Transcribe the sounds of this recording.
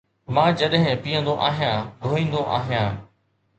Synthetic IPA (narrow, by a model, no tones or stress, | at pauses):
mãːd͡ʑɐɗɦɪ̃piːə̃nd̪oʔaːɦijãːd̪ʱoːĩːn̆d̪oʔaːɦijãː